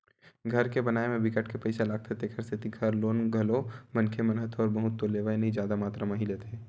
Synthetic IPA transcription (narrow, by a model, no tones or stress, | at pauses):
ɡʱɐɾkebɐnaːemẽbɪkəʈkepɐɪsalaːɡ̚t̪ʰet̪ekʰɐɾsɪt̪iɡʱɐɾloːnɡʱɐlomɐnkʰemənɦət̪ʰɔːɾbɐɦʊt̪ːoleːʋaenɐɦĩd͡ʒjaːd̪amaːt̪ɾamɐɦilet̪ʰeː